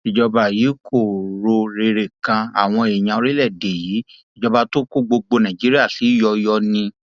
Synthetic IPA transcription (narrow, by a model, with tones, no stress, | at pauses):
i˨d͡ʒɔ˧ba˧˨ji˨˦kʰo˦˨ɾo˧ɾe˧ɾe˨kã˧a̰˨w̃ɔ̃˧e˨e˨j̃ã˧o˧ɾi˦lɛ˦˨de˨jiː˨˦ | i˨d͡ʒɔ˧ba˧to˦ko˦ɡ͡bo˧ɡ͡bo˧nã˨d͡ʒi˨˦ɾi˦a˦˨si˨˦˨jɔ˧jɔ˧nĩ˧